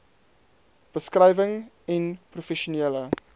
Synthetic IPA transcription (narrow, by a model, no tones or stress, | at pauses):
b̥əskrɐjvəŋ | ɛnprufɛʃuneːlə